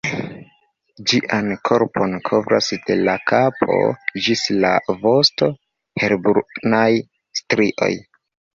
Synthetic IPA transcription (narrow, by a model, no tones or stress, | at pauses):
d͡ʒiʔankʰo̞ɾpo̞nkʰo̞vɾa̰sd̥e̞lakʰapʰo̞̰d͡ʒislavo̞sto̞ | he̞ɾbuɾnaj | stɾiʔo̞̰j